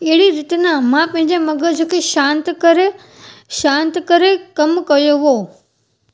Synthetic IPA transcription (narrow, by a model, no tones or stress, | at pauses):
eɦɽiɾɪt̪namãpɐ̃ɦɪ̃ɲd͡ʑemɐɡəd͡ʑõkʰeʃãːnt̪kəɾe | ʃãːnt̪kəɾekɐmkɐjoʋoː